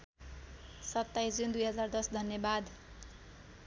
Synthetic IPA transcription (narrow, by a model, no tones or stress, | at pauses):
sʌt̪ːajsd͡zund̪ujɦʌd͡zard̪ʌsd̪ʱʌnjʌbad̪